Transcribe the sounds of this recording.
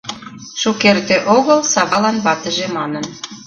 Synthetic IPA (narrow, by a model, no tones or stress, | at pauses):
ʃukert̪eʔoɣəlsɑβɑlɑnβɑt̪ə̆ʒĕmɑnən